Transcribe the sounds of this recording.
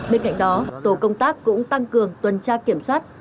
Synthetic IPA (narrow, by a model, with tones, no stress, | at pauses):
ɓe˧nka̰˧˨jŋ̟ɗɔ˨˦t̪o˧˩kə˧wŋ͡mt̪aː˦˥kːʊ̰˧˥ŋ͡mt̪a˧ŋkɨ˨˩əŋt̪wə˨˩nt͡ɕaː˧ki˧˩əmswaː˦˥t̚